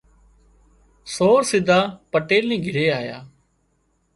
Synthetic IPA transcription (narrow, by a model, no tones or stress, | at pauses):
soːɾsɪd̪ʱaːpəʈeːlnĩːɡʱɪɾeːaːja̰ː